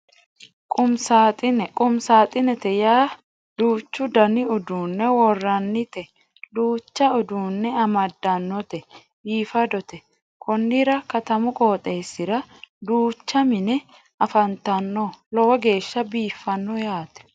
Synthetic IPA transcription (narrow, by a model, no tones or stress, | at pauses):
kʼʊmsaːt̪ʼɪnɛkʼʊmsaːt̪ʼɪnɛt̪ɛjaː | d̪̥uːt͡ʃːʊd̪ɐnɪʊd̪uːnːɛwɔrːɐnːɪt̪ɛ | d̪uːt͡ʃːɐʊd̪uːnːɛɐmɐd̪ːɐnːɔt̪ɛ | biːfɐd̪ɔt̪ɛ | kʰɔnːɪɾɐkɐt̪ɐmʊkʼo̞ːt̪ʼe̞ːsːɪɾɐd̪uːt͡ʃːɐmɪnɛ | ɐfɐnt̪ɐnːɔlɔwɐɡe̞ːʃːɐbiːfːɐnːɔjaːt̪ɛ̥